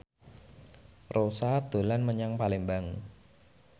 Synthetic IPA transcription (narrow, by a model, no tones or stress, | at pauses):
rosad̪̥o̤lanməɲaŋpalembaŋ